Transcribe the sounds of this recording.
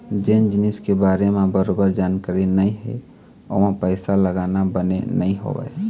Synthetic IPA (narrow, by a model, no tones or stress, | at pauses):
d͡ʒend͡ʒɪniskebaːɾemẽbəɾobəɾd͡ʒaːnkaɾinəĩɦɛ̰ | o̰mẽpəɪsaləɡaːnabənḛnəĩɦo̰ʋɛ̰ː